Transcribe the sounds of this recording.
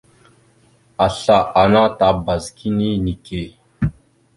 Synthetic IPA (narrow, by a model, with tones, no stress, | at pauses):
a˨ɬa˨ʔa˨na˦ta˨˦ba˨zki˦ni˦ni˨ke˨